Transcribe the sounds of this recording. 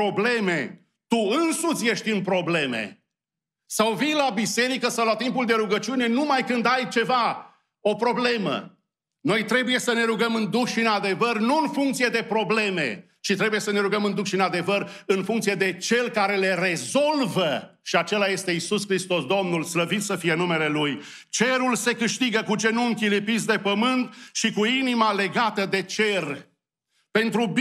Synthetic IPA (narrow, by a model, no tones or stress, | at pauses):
o̞ble̞me̞ | t̪uɨnsut̪sje̞ʃt̪ʲɨnpɾo̞ble̞me̞̰ | sawvijlabise̞ɾikəsawlat̪impuld̪e̞ɾuɡət͡ʃiune̞numajkɨnd̪ajt͡ʃe̞va | o̞pɾo̞ble̞mə̰ | no̞jt̪ɾe̞buje̞səne̞ɾuɡəmɨnd̪ukʃinad̪e̞vərnuɨnfuŋkt̪sije̞d̪e̞pɾo̞ble̞me̞̰ | t͡ʃit̪ɾe̞buje̞səne̞ɾuɡəmɨnd̪ukʃiɨnad̪e̞vər | ɨnfũŋkt̪sije̞d̪e̞t͡ʃe̞lkaɾe̞le̞re̞zo̞lvəʃiat͡ʃe̞laje̞st̪e̞isuskɾist̪o̞sd̪o̞mnulsləvit̪səfije̞nume̞le̞luj | t͡ʃe̞ɾulse̞kɨʃt̪iɡəkut͡ʃe̞nuɨŋkʲilipisd̪e̞pəmɨnt̪ʃikuinimale̞ɡat̪əd̪e̞t͡ʃe̞r | pe̞nt̪ɾub